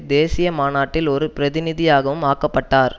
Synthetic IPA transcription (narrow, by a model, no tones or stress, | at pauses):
d̪eːsɪjɐmaːnaːʈːɪlɔɾɯpɪɾɐðɪnɪðɪjaːɣɐʋɯmaːkːɐpːɐʈːaːɾ